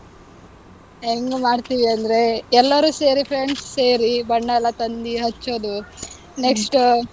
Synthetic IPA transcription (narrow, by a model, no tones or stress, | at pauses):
eŋɡumaːɖt̪iʋiɐnd̪ɐɾe̞ɛlːɐɾuːse̞ːɾipʰɾeɳɖsseːɾibɐɳːɐlɐt̪ɐnd̪iɦɐt͡ʃːoːd̪u | neksʈ